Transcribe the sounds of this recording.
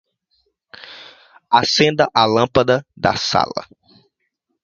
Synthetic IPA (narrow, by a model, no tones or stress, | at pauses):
asẽnd̪ɐʔalɐ̃pɐd̪ɐd̪ɐ̰sa̰lɐ̰